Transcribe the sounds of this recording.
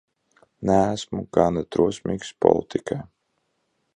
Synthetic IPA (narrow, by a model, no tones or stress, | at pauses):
næːsmukaːnɛt̪ɾuɔsmʲiːkspɔ̰lˠit̪ʰikaj